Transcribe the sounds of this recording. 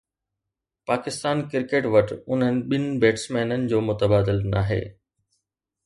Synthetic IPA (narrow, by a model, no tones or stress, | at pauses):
paːkɪst̪aːnkɪɾkeːʈʋɐʈʰʊn̤ənɪ̆ɓɪnɪ̆beːʈsmɛːnənɪ̆d͡ʑoːmʊt̪əbaːd̪ɪlnaːɦḛː